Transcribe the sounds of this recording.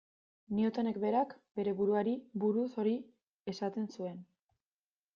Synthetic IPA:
niot̪ane̞kbe̞ɾakbe̞ɾe̞βuɾuaɾibuɾuso̞ɾi | e̞sat̪e̞nsue̞n

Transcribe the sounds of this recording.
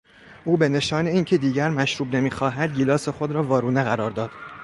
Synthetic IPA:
ʔuːbe̞ne̞ʃɒːne̞iːncʰe̞d̪iːɟæɾmæʃɾuːbne̞miːxɒːɦæd̪ɡilɒːse̞xod̪ɾɒːvɒːɾuːneɣæɾɒːɾd̪ɒːd̪̥

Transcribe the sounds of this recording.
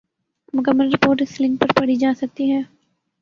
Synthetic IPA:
mʊkəmːəlɾɪpoːɾʈ̬ɪslɪ̃ŋk̚pɐɾpɐɽ̤id͡ʒaːsɐk̚t̪iɦɛː

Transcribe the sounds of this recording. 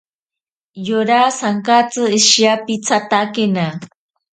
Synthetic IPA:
joɾasaŋkat͡sɨɪʃjapit͡sat̪akena

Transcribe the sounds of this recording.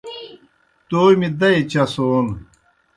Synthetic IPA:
t̪oːmid̪ɐit͡ɕɐsoːn

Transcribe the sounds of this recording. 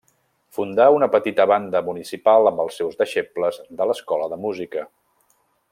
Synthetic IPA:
fund̪aunəpət̪it̪əβand̪əmunisipalˠəmbəlˠsːɛwzðəʃepləzðələskɔləðəmuzikə

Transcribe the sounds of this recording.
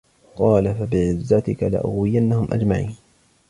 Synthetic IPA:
qɑːlafabɪʕɪzːat̪ɪkala̰ʔʊ̰ɣwɪjanːahʊmʔa̰d͡ʒmaʕiːn

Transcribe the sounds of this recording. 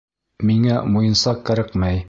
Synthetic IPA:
miŋæmujɤ̆nsɑqːɘ̆ɾɘqmæj

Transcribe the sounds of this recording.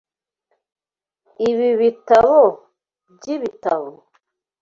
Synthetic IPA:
iβiβitaβɔ | d͡ʒiβitaβɔ

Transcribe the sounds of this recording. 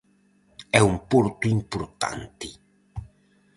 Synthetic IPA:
ɛumpoɾt̪uimpuɾt̪a̰nt̪i

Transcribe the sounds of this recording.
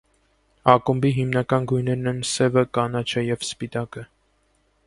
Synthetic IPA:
ɑkumbiɦimnɑkɑnɡujnɛɾnɛnsɛvəkɑnɑt͡ʃʰəjɛvspit̪ɑkə

